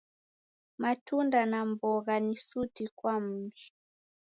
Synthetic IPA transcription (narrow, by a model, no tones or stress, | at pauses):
matundanambɔɣanisutikwam̩bi